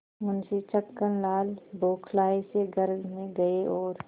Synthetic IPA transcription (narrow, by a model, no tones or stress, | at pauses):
ʊnset͡ʃəkːənlaːlboːkʰlaːeseɡəɾɡmẽɡɐeɔːɾ